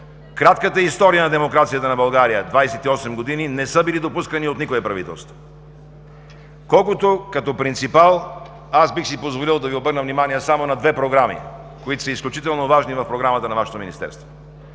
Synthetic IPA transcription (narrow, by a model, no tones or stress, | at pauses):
kɾat̪kət̪əist̪ɔɾijənɐd̪ɛmokɾat̪sijət̪ənɐbɐlˠɡaɾijəd̪vajsɛt̪iɔsɛmɡod̪ininɛsəbilid̪opuskəniot̪nikʊɛpɾɐvit̪ɛ̰lˠst̪vo̥ | kɔlˠkot̪okɐt̪ɔpɾint̪sipalˠ | asbixsipozvolilˠd̪ɐviobɤɾnəvnimaniɛsamonɐd̪vɛpɾoɡɾamḭ | koit̪o̥səisklʲut͡ʃit̪ɛlˠnovaʒnivɐfpɾoɡɾamət̪ənɐvaʃo̥t̪ominist̪ɛ̰ɾst̪vo